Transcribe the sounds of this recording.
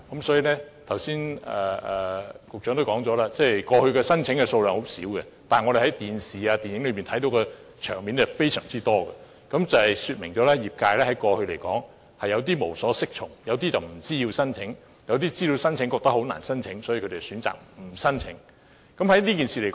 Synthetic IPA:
kɐ˨˥msɔː˨˥jiː˨˧lɛː˥t̪ʰɐ˨˩wsiː˥nɛː˨˩ɛ˨kʊ˨k̚t͡ʃœː˨˧˥ŋt̪o˥wkɔː˨˥ŋt͡sɔː˨˥laː˧t͡sɛː˥kɔː˧hɵ˧ɥkɛ˧sɐ˥nt͡sʰɪ˨˥ŋkɛ˧so˧wlœː˨˧ŋho˨˥wsḭː˨˥wkɛ̰˧ | t̪aː˨˩nŋɔ˨˧ɾe˨˩hɐ˨˥jt̪iː˨nsiː˨aː˧t̪iː˨njɪ˨˥ŋlɵ˨˧ɥpiː˨nt̪ʰɐ˨˥jt̪o˨˥wkɔ˧ | t͡ʃʰœː˨˩ŋmiː˨˥nt͡sɛ˨˩fe˥jsœ̰ː˨˩ŋt͡siː˥t̪ɔː˥ɡɐ˧ | kɐ˨˥mt͡sɐ˨˩hɐ˨˩jsyː˧t̚mɪ̰˨˩ŋt͡sɔː˨˥lɛː˥jiː˨p̚kaː˧jlɛː˥hɐ˨˥jkɔː˧hɵ˧ɥle˨˩jkɔː˨˥ŋ | hɐ˨jɐ˨˧wt̪iː˥mo˨˩wsɔː˨˥sɪ˥k̚t͡ʃʰʊ̰˨˩ŋjɐ˨˧wt̪iː˥t͡sɐ˨wm̩˨˩t͡siː˥ji˧wsɐ˥nt͡sʰɪ˨˥ŋ | jɐ˧wt̪̬iː˥t͡siː˥li˧wsɐ˥nt͡sʰɪ˨˥ŋkɔ˧kt̪ɐ˥ho˨˥wna̰ː˨˩nsɐ˥nt͡sʰɪ˨˧˥ŋsɔ˨˥jiː˧kʰɵ˧t̪e˨˩syː˨˥nt͡sa̰ː˨k̚m̩˨˩sɐ˥nt͡sʰɪ̰˨˥ŋ | kɐ˨˥mhɐ˨˥jliː˥ki˨nsiː˨le˨˩kː

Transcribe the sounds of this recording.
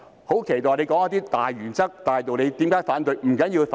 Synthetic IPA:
ho˨˥wkʰe˨˩jt̪ɔː˨˩jle˧jkɔ˨˥ŋɐ˥t̪̬iː˥t̪aː˨jɥyː˨˩nt͡sɐ˥k̚t̪aː˨jt̪o˨wle˨˧jt̪iː˨˥mkaː˨˥jfaː˨˥nt̪̬ɵ˨˧jm̩˨˩kɐ˨˥nji˧f

